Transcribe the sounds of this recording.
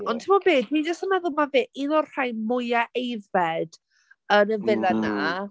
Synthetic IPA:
ɔntʰɪmɔbeːdwid͡ʒəstənaðʊmaveːʔinɔrr̥ajmʊjaʔejvɛd̥ | ənəvɪlana

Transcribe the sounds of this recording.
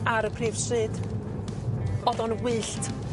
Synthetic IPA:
aɾəpʰreːvsrɨd | ɔdɔnwɨɬtʰ

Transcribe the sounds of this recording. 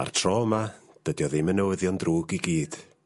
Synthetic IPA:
a̰rtʰrɔːmad̥ədjɔðemənəwəðjɔndruːɡiɡiːd̥

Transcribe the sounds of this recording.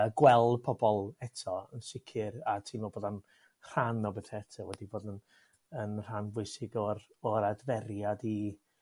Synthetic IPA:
ɡwɛlˠpʰɔbɔlˠɛtʰɔənsɪkʰɪɾatʰiːnvoːboːdan | r̥anɔbɛtʰɛɛtʰɔwɛdiboːdən | ənr̥anvʊɨsɪɡɔrɔɾadvɛɾjadi

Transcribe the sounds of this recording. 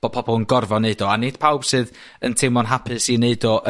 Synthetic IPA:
ɔ̥pʰɔbɔlˠənɡɔrvɔneɨdɔanɪd̥pʰawb̥sɨːð | əntʰɪmɔnɦapʰɨsineɨdɔʔ

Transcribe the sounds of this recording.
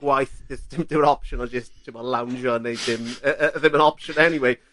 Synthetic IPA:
ɡ̥wajθɪsdɪmd̥ɪwənɔpʃə̃nad͡ʒʌsttʰɪbɔlawnd͡ʒɔənːejdɪməəðɪmə̃nɔpʃə̃nɛniweɪ

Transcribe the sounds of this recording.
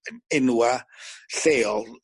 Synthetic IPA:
ɪnuwaɬeːɔlˠ

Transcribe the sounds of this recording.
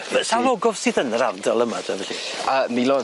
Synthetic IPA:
əsalˠɔɡɔv̥sɨːðənravdɔlˠəmadɛvɛɬiəmilɔ

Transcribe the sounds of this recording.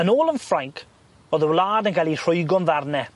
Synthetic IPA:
ənɔːlˠənfɾaŋkʰ | ɔðəwlaːdənkʰajlir̥ʊjɡɔnðarnɛ

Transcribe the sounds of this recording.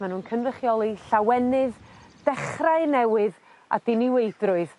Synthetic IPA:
manhuːnkʰənrəχjɔlˠiɬawɛnɨðd̥ɛχraɨnɛwɨð | a̰d̥ɪniwejdrʊɨð̥

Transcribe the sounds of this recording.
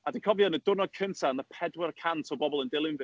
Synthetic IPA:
adikʰɔvjɔnədʊnɔd̚kʰəntʰanəpʰɛdwərkʰantʰɔbɔbɔlˠəndɪlˠɪnv

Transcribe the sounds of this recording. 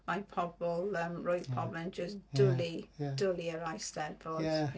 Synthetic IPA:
maɪpʰɔbbɔlˠəmɹoɪpʰɔbə̃nd͡ʒəsd̥ʊlid̥ʊliəɹaɪstɛdbɔz

